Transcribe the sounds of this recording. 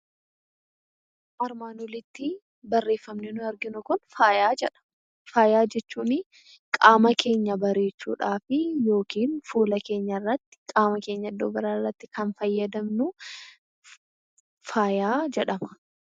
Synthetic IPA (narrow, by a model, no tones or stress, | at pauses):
ʔɐɾmaːnʊlɪt̪ːɪ | bɐrːe̞ːfːɐmnɛnʊɐɾɡɪnʊkʊnfaːjaːd͡ʒɛᶑɐ̥ | faːjaːd͡ʒɛt͡ʃːuːnɪ | kʼaːmɐkʰe̞ːɲːɐbɐɾe̞ːt͡ʃːṵːᶑaːfɪjo̞ːkiːnfuːlɐke̞ːɲːɐrːɐt̪ːɪ̥kʼaːmɐke̞ːɲːɐd̪ːoːbɐɾaːɪrːɐt̪ːɪkɐnfɐjːɐd̪ɐmnʊ | faːjaːd͡ʒɛᶑɐmɐ̥